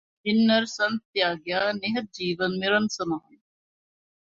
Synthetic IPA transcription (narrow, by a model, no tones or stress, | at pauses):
ɪnːɐɾsɐnt̪jaːɡjaːnɪɦɐt̪̚d͡ʒiːʋənmɪɾɐnsɐmaːɐn